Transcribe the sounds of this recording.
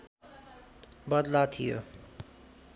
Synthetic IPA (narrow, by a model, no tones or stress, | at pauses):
bʌd̪lat̪ʰijo̰